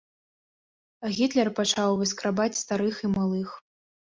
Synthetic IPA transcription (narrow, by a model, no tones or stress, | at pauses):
ɣʲit̪lʲɛrpat͡ʂawvɨskɾabat͡sʲst̪aɾɨximalˠɨx